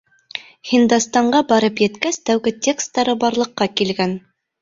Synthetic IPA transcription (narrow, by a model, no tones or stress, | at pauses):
hind̪ɑst̪ɑɴɢɑbɑɾɤpjɘ̆t̪kæst̪æwɡɘtʲʰe̞kst̪ːɑɾɤbɑɾlˠɤ̆qːɑkilɡæn